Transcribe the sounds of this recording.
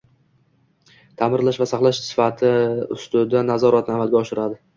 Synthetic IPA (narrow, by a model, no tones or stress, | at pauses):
t̪ʰamɪɾlaʃvasaχlˠaʃsɪ̥fat̪ʰɪʊst̪ʊd̪anazɒɾat̪namad̪̚ɡʲaɒʃɪɾad̪ɪ